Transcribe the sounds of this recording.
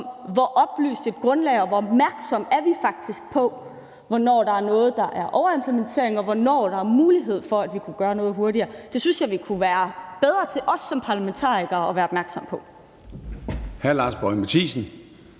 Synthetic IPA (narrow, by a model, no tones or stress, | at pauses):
ʋɒʔɒ̽b̥ly̰ːsd̥e̝d̥̚ɡ̥ʁɔ̽nlɛɪɒ̽ʋɒɒb̥mæɐɡ̥sɒ̽m̰æɐʋifɑ̈ɡ̥̚d̥isɡ̥̚pʰɒ̽ | ʋɒnɒ̰ːɾ̥ɑ̈æɐnɔ̽ːð̞̩ˠd̥ɑ̈ʔæɐʔɒʊɐe̝mpʰlement͡sʰe̝ɐeŋɒ̽ʋɒnɒ̰ːd̥ɑ̈æɐmuːliɦe̝ð̞̰ˠfɒ̽æd̥ʋikʰuɡ̥ɶːɐnɔ̽ːð̩ˠɦo̝ɐɾiɐːd̥e̝synsjɑ̈ɪʋikʰuʋæːɐb̥eð̞ˠʁɐt͡sʰe̝ʔɒ̽sːɒ̽mpʰɑ̈læment͡sʰɑ̰̈ːiɡ̥ɐɒ̽ʋæːɐɒ̽b̥mæɐɡ̥sɒ̽m̰pʰɒ̽ | hæɐlɑ̈ːsb̥ɒɪmæt͡sʰiːsn̩